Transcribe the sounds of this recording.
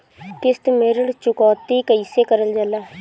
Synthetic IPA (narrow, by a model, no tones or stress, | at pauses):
t̪ɪst̪meɾəɽt͡ʃʊkɔːt̪iːkəiseːkəɾəld͡ʒəlaː